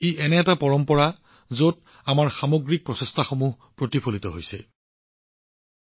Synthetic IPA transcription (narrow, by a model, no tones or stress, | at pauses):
eʔɛnɛːtapɔɹɔmpɔɹa | zot | amaɹxamoɡɹik̚pɹɔsɛstʰaxomuɦ | pɹotipʰolitɔɦojsɛ̰